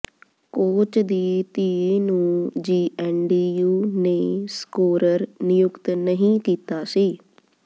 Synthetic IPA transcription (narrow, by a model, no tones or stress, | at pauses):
koːt͡ʃd̪iːt̪iːiːnũːd͡ʒiːʔɛːnɖiːjuːneːskoːɾəɾnɪjʊkt̪nəɦĩːkiːt̪aːsiː